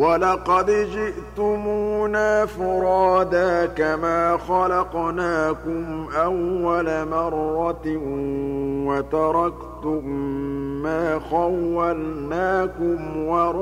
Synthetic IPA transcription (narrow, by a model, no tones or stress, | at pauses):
walɑqɑd̪d͡ʒɪʔt̪ʊmuːnaːfʊɾɑːd̪aːkamaːxɑlɑqnaːkʊmʔawːalamɑrˤːɑt̪ | wat̪ɑɾˤɑkt̪ʊmː | aːxawːalnaːkʊmwɑɾ